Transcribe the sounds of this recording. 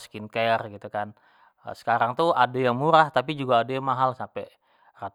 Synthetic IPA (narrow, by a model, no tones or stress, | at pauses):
skinkeərɡit̪ukan̰ | sə̥kaɾaŋt̪uadajaŋmuɾaht̪ap̬id͡ʒuɡaːdajaŋmaɦalsampɛ | rat̪